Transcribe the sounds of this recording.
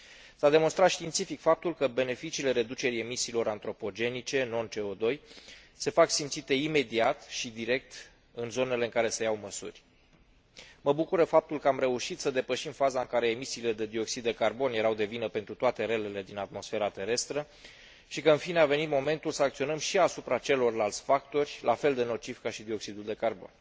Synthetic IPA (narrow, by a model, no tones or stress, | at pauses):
sad̪e̞monst̪ɾat̪ʃt̪int̪sifikfap̚t̪ulkəbe̞ne̞fit͡ʃiːle̞ɾed̪ut͡ʃe̞ɾie̞misiːlo̞ɾant̪ɾo̞po̞d͡ʒe̞nit͡ʃe̞no̞nt͡ʃe̞o̞d̪o̞jse̞faksimt̪sit̪e̞ime̞d̪iat̪ʃid̪iɾe̞k̚t̪ | ɨnzo̞ne̞le̞ɨŋkaɾe̞se̞jawməsṵrʲ | məbukuɾəfap̚t̪ulkəamɾe̞uʃit̪səd̪e̞pəʃimfazaɨŋkaɾe̞ːmisiːle̞d̪e̞d̪io̞ksid̪ːe̞karbo̞nje̞ɾawd̪e̞vinəpe̞nt̪ɾut̪oat̪e̞ɾe̞le̞le̞d̪inat̪mo̞sfe̞ɾat̪e̞ɾe̞st̪ɾə | ʃikəɨnfineave̞nit̪mo̞me̞nt̪ulsəakt̪sio̞nəmʃiasupɾat͡ʃe̞lo̞rlalt̪sʲfakt̪o̞rʲlʔafe̞ld̪e̞no̞t͡ʃifkaʃid̪io̞ksid̪uld̪e̞karbo̞̰n